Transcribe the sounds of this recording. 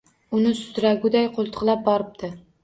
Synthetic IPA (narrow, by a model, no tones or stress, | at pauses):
ʊnɪsʊ̥t̪ɾaɡʊd̪ajqʰolˠt̪ʰʊ̥qlˠap̚bɒɾɪp̚t̪ɪ